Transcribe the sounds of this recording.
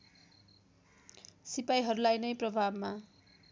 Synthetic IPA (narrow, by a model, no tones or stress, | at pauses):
sipajɦʌɾulajnʌjprʌbʱabma